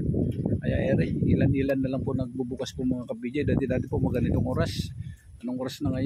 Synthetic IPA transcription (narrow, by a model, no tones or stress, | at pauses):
ajaɛɾɪhilanilandalaŋpʊnak̚bubukaspuməŋakap̚bid͡ʒadat̪idat̪ipɔmaɡanit̪uŋuɾas | anaŋuɾasnaŋaj